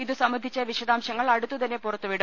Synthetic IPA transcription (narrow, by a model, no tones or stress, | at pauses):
iðɨsɐmʋɐnd̪ʱit͡ɕːɐʋiɕɐðaːmɕɐŋːɐɭɐɽut̪ːut̪ɐnːepurɐt̪ːuʋiɽum